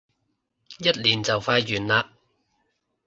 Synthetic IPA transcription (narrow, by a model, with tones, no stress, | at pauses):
jɐ˥t̚liː˨˩nt͡sɐ˨wfaː˧jːyː˨˩nlaː˧